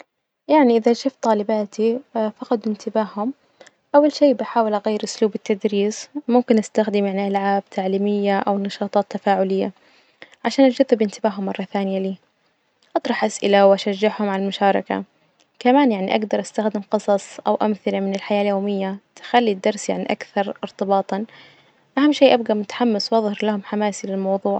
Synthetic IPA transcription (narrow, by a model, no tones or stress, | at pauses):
jaʕniʔɪðaʃɪft̪ˤɑːlɪbaːt̪ʰifɑqɑt̪ˤɪnt̪ɪbaːhʊm | ʔawːalʃeːbɪħaːwɪlʔaɣajːɪɾʔʊsluːbɪt̪ːad̪ɾiːsmʊmkɪnʔast̪axd̪ɪmaʕnaʔalʕaːbt̪ʰaʕliːmɪjːaʔawnɑʃɑːt̪ˤɑːt̪ːafaːʕʊlɪjːa | ʕaʃaːnʔad͡ʒʊðːɪbɪnt̪ɪbaːɦʊmːɑrˤːɑθaːnɪjaliː | ʔɑt̪ˤɾˤɑħʔasʔɪlawʔaʃaʒːɪħhʊmʕalalmʊʃɑːɾˤɑka̰ | kamaːnjaʕniʔaɡd̪ɑɾˤʔast̪axd̪ɪmqɨsˤɑsˤʔawʔamθɪlamɪnɪlħajaːljoːmɪjːat̪ɪ̥xalːid̪ːɑɾˤsjaʕniʔakθɑɾˤɪɾt̪ˤɨbɑːt̪ˤɑn | ʔahamːʃiːʔabɡamʊt̪ḁħamːaswʔɑðˤhɪɾlahʊmħamaːsilɪlmɑwðˤuːʕ